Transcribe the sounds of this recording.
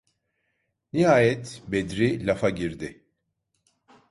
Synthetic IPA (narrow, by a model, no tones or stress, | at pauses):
niɦaːjɛt̪bed̪ɾilʲafaɟiɾd̪ɪ